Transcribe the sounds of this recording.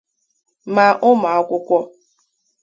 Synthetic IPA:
ma˨ʔʊ˦ma˨a˦kʷʊ˦kʷɔ˦

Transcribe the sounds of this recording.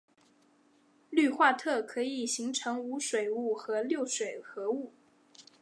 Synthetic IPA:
ly˥˧xwa˥˧t̪ʰɤ˥˩kʰɤ˧˥i˨˩ɕi˧˥ŋʈ͡ʂʰɤ˧˥ŋu˧˥ʂwe˨˩ɪu˥˩xɤ˧˥ljo˥˩ʊʂwe˨˩ɪxɤ˧˥u˥˩

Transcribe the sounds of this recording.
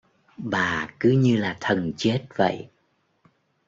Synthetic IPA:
ɓaː˨˩kɨ˨˦ɲɨ˧laː˨˩t̪ʰə˨˩nt͡ɕe˦˥t̚və̰˧˨jʔ

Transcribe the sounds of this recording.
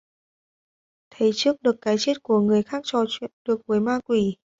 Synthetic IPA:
t̪ʰə˨˦jt͡ɕɨ˦˥ək̚ɗɨ˨˩əkːaː˨˦jt͡ɕe˦˥t̚ku˧˩əŋɨ˨˩əjxaː˦˥k̚t͡ɕɔ˧˩t͡ɕwḭ˧˨nɗɨ˨˩ək̚vəː˨˦jmaː˧kwi˧˩

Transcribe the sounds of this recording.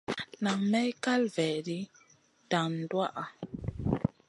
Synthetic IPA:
na˨ŋmɛ˦jka˦lvɛ˨di˦ | d̥a˨n˨dwa˦ʔa˨

